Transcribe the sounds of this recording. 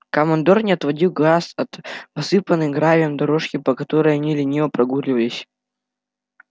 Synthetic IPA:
kɐmɐnd̪ornʲɪɐt̪vɐdʲilˠɡlˠasɐt̪pɐsɨpənɨjɡɾavʲɪjəmd̪ɐɾoʂkʲɪpəkɐt̪o̞ɾəjɐnʲilʲɪnʲejəpɾɐɡurʲlʲɪvəlʲɪsʲ

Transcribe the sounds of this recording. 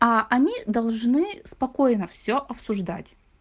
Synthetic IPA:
aɐnʲid̪ɐlˠʐnɨspɐkojnəfsʲoʔɐpsʊʐd̪a̰tʲ

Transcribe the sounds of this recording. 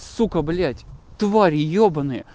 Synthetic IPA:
sukəblʲætʲt̪vaɾʲɪjobənɨ

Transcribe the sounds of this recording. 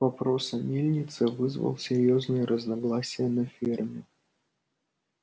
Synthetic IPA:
vɐpɾosəmʲelʲnʲɪt̪sɨvɨzvə̰lˠsʲɪɾʲjoznɨjəɾʔəznɐɡlˠasʲɪjənɐfʲirmʲɪ

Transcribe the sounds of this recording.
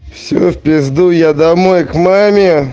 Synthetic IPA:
fsʲo̰fpʲɪzd̪ujad̪ɐmojkmamʲɪ

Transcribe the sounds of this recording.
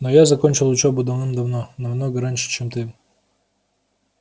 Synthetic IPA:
nojazɐkonʲt͡ɕɪlˠʊt͡ɕobʊd̪ɐvnɨmd̪ɐvnonɐmnoɡəɾanʲʂɨ̥t͡ɕemt̪ɨ

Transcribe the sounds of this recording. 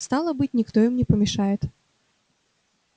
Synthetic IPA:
st̪ɑlˠəbɨt̚ʲnʲɪkt̪oɪmnʲɪpəmʲɪʂajɪt̪

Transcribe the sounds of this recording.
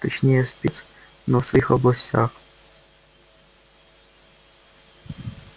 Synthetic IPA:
t̪ɛt͡ʃɲɛjɛspɪt͡s | nɔfsviːxʔoblasca̰ːx

